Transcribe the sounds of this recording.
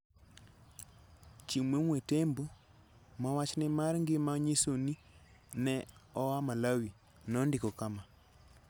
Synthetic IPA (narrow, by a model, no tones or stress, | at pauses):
t͡ʃimwemwetɛmbo | mawat͡ʃnemaɾŋɡemaɲesoni | nɛɔwamalawi | nɔndikɔkama